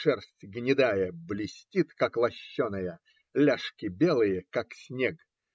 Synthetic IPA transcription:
ʂɛrsʲtʲɡnʲɪd̪ajəblʲɪsʲtʲit̪kaklˠɐɕːonəjə | lʲaʂkʲɪbʲelˠɨjəkaksʲnʲeɡ

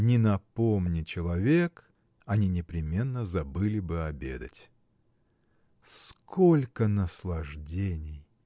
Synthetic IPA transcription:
nʲɪnɐpomnʲɪt͡ɕɪlˠɐvʲe̞k | ɐnʲinʲɪpɾʲɪmʲe̞nːəzɐbɨlʲɪbɨɐbʲed̪ətʲ | skʰolʲkənəslˠɐʐdʲenʲɪj

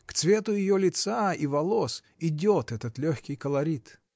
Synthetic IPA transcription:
kt̪svʲe̞t̪ʊjɪjolʲɪt̪saivɐlˠos | ɪdʲot̪ɛt̪ət̪lʲoxʲkʲɪjkəlˠɐɾʲit̪

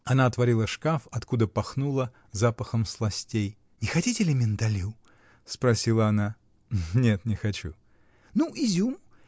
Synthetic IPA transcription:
ɐnaɐt̪vɐɾʲilˠəʂkafɐt̪kud̪əpɐxnulˠə | zapəxəmslˠɐsʲtʲej | nʲɪxɐtʲitʲɪlʲɪmʲɪnd̪ɐlʲu | spɾɐsʲilˠəɐna | nʲe̞t̪nʲɪxɐt͡ɕṵ | nuʔizʲum

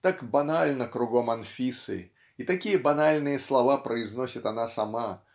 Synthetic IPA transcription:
t̪akbɐnalʲnəkɾʊɡomɐnfʲisɨ̰ | it̪ɐkʲijəbɐnalʲnɨjəslˠavapɾəɪznosʲət̪anasɐma

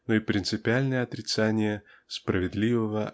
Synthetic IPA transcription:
noipɾʲɪnt̪sɨpʲɪalʲnəjəɐt̪ɾʲɪt̪sanʲɪjə | spɾəvʲɪd̪lʲivəvə

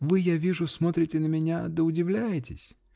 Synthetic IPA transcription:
vɨjavʲiʐʊsmo̞t̪ɾʲɪtʲɪnəmʲɪnʲad̪əʊdʲɪvlʲæjɪtʲɪ̰sʲ

